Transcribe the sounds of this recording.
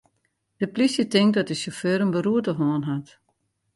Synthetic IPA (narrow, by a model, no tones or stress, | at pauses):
d̥əplisjətɪŋk̚dɔt̚dəsoføːɾənbəɾuətəɦoːənɦat